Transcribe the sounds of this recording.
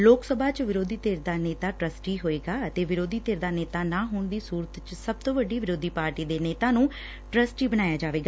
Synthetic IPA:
loːksəbʱaːt͡ʃʋɪɾoːd̪iːt̪eːɾd̪aːneːt̪aːʈɾəsʈiːɦoːeːɡaːət̪eːʋɪɾoːd̪iːt̪eːɾd̪aːneːt̪aːnaːɦʊːɳd̪iːsuːɾət̪t͡ʃsəb̚t̪õːʋəɖiːʋɪɾoːd̪iːpaːɾʈiːd̪eːneːt̪ãːnũː | ʈɾəsʈiːbənaːjaːd͡ʒaːʋeːɡaː

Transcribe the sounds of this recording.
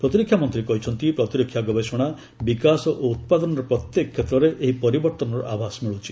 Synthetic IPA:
pɾɔt̪iɾikʰːjamɔnt̪ɾikɔɦit͡ʃʰɔnt̪ipɾɔt̪iɾɔkʰjaɡɔbesɔɽ̃a | bikasɔʔout̪̚pad̪ɔnɔɾɔpɾɔt̪jekɔkʰːet̪ɾɔɾeʔeɦipɔɾibɔɾt̪ɔnɔɾɔ̰ʔabʱasmiɭut͡ʃʰi̥

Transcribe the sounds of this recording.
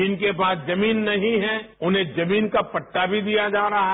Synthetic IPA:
iːnkebaːd̪d͡ʒɐmiːnːɐɦĩɦɛʊnɦẽd͡ʒɐmiːnkapɐʈːabʱid̪ijad͡ʒaːɾɐɦa

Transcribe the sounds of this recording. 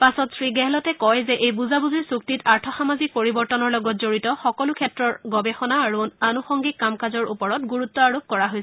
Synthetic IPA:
pasɔtsɹiɡɛɦɛlɔtɛkɔjzɛʔejbuzabuziɹsuk̚titaɹtʰɔxamazik̚poɹibɔɹtɔnɔɹlɔɡɔt̚zoɹitɔxɔkɔlukʰɛtɹɔɹɡɔbɛxɔnaːɹunanuxɔŋɡikːamkazɔɹupɔɹɔtɡuɹut̪ːɔaɹop̚kɔɹaɦojsɛ

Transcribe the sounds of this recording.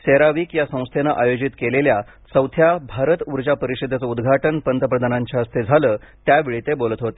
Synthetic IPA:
seɾaʋiːkjasə̃w̃st̪ʰenaʔajod͡ʑit̪kelelja | səwt̪ʰjabʱaɾət̪uɾd͡ʑapəɾiɕid̪ʱat͡səud̪ɡʱaʈənpənt̪əpɾəd̪ʱanaɲt͡ɕaəst̪ʰed͡zʱaləː | t̪jaʋeɭit̪ebolət̪ɦot̪e̥

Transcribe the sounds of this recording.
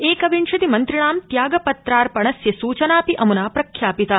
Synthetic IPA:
eːkɐʋinʃɐd̪imɐnt̪ɾiɳaːmt̪jaːɡɐpɐt̪ɾaːɾpɐɳɐsjɐsuːt͡ʃɐnaːpiʔɐmunaːpɾɐkʰjaːpit̪ɐ

